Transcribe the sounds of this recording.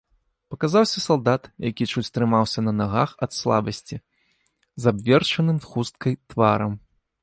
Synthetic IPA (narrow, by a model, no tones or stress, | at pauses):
pɐkazawsʲɐsalˠd̪at̪jakʲit͡ʂut͡sʲst̪ɾɨmawsʲɐnɐnaɣaxɐt̪slˠa̰bɐsʲt͡sʲi | zabvʲɛrt͡ʂɐnɨmxust̪̚kɐjt̪vaɾɐm